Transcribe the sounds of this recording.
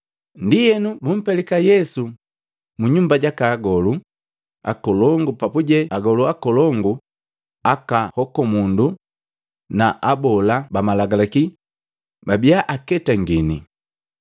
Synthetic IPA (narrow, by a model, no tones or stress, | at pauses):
ndijɛnubum̩pɛlɛkajɛsu | muɲumbaɟakaːɡɔlu | a̰kɔlɔŋɡupapuɟɛaɡɔluakɔlɔŋɡu | akahɔkɔmundu | naʔabɔlabamalaɡalaki | babiaʔakɛtaŋɡini